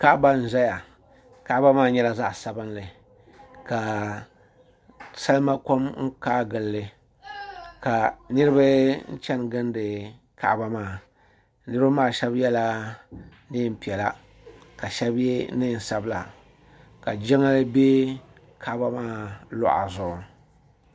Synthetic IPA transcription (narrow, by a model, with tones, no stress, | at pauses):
ka˦ʔba˦n̩˨za˦ja˨ | ka˦ba˦maː˦˨ɲɛ˦la˦˨za˦ʔsa˨bɨ˦nlɨ˨ | ka˨ | sa˦lma˦ko˦mŋ̩˦kaː˦ɡɨ˨lːɨ˨ | ka˨nɨ˦ɾɨ˦ba˦n̩˦t͡ʃɛ˦nɡɨ˦ndɨ˨ | ka̰˨ʔba˦maː˦˨ | nɨ˦ɾa˦maː˦˨ʃɛ˦bjɛ˦la˦ | nɨ˦˨m̩˨pi˨ɛ˨la˦ | ka˨ʃɛ˦bjɛ˦nɨ˦˨n˨sa˦bla˨ | ka˨d͡ʒɛ˦ŋa˦lɨ˦be˦ | kʰa˦ʔba˦maː˦˨lʊ̰˦˨ʔa̰˨zʊ˨ʔʊ˨